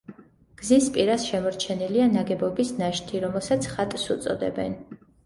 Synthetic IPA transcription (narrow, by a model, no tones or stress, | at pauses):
ɡ̥zispʼiɾasʃɛmɔɾt͡ʃʰɛnilianaɡɛbɔbisnaʃt̪ʰiɾɔmɛlˠsat̪sʰχat̪ʼsut̪sʼɔ̰d̪ɛ̰bɛ̰n